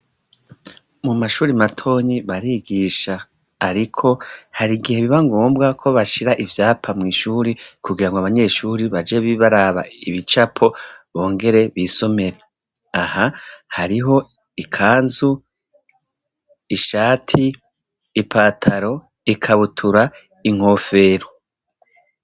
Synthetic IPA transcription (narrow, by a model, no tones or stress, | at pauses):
mumaʃuːɾimatʰo̞ːɲiβaɾiɡiʃaː | ɾikʰo̞haɾiɡihe̞βiβaŋɡoːmbɡakʰo̞βaʃiɾaʔivjaːpʰamŋiːʃuːɾikuɡiɾaŋɡoaβaɲe̞ʃuːɾiβad͡ʒe̞βiβaɾaβa̰iβit͡ʃapʰo̞βo̞ːŋɡe̞ɾe̞βiso̞me̞ɾa | ahahaɾiɦo̞ | ikʰaːnzu | iʃaːtʰiː | pʰaːtʰaɾo̞ | ikʰaβutʰuɾa | iŋ̥o̞ːfe̞ːɾo